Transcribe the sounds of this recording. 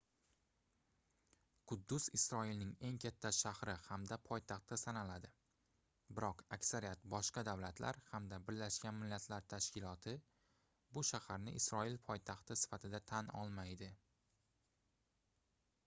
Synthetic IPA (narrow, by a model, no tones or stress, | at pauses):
qʰʊd̪ːʊzɪsɾɒilnɪŋe̞ŋkʲʰat̪ʰːaʃahɾɪhamd̪apʰɒjt̪ʰɑχt̪ːasanalad̪ɪ | bɪɾɒqakʲsaɾijat̪bɒʃqɑd̪awlat̪ʰla̰ɾhamd̪abɪɾlaʃkʲanmɪlːat̪ʰlaɾt̪ʰaʃkʲɪlˠɒt̪ʰɪ | bʊʃahaɾnɪʔɪsɾɒilpʰɒjt̪ʰaχt̪ɪsɪ̥fat̪ʰɪd̪at̪ʰanɒ̰lˠmajd̪ɪ